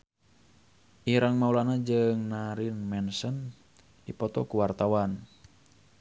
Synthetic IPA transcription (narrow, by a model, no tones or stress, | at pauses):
ʔiɾaŋmaulanad͡ʒɨŋnaɾinmɛnsən | dipɔt̪ɔkuwart̪awan